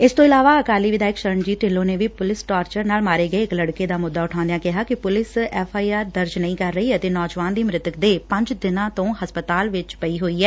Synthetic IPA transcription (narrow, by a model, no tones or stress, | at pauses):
ɪst̪õːɪlaːʋaːəkaːliːʋɪd̪aːɪkʃəɾəɳd͡ʒiːt̪ɪlːõːneːʋiːpʊlɪsʈaːɾt͡ʃəɾnaːlmaːɾeːɡəeːɪkləɽkeːd̪aːmʊd̪ːaːʊʈʰãːnd̪ejãːkɪɦaːkɪpʊlɪsɛːpʰaːiːaːɾd̪əɾd͡ʒnəĩːkəɾːəiːət̪eːnɔːd͡ʒʋaːnd̪iːmɾɪt̪əkd̪eːpə̃ɲd͡ʒd̪ɪnãːt̪õːhəspət̪aːlʋɪt͡ʃpəiːɦoːiːɛː